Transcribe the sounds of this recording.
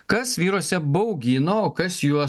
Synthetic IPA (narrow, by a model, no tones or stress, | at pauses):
kɐsʋʲiːɾoɔsʲɛbɐʊɡʲiːnoːoːkɐsjuɔ